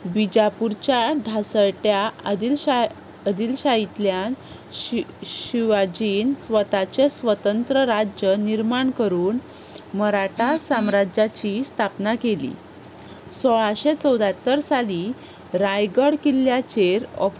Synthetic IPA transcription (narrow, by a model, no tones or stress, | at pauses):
bid͡ʑapuɾt͡ɕjaɖʱasəɭʈjail | əd̪ilɕait̪ljan | ɕiʋad͡ʑiːnsʋət̪at͡ɕesʋət̪ənt̪ɾəɾad͡ʑjəniɾmaɳkəɾuːn | məɾaʈasamɾad͡ʑat͡ɕist̪ʰapnakelḭ | sɔɭaɕet͡səwd̪ʱat̪ːəɾsali | ɾajɡəɽkilːjat͡ɕeɾɔp